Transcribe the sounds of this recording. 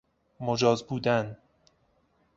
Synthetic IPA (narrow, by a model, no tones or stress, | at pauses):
mod͡ʒɒːzbuːd̪æn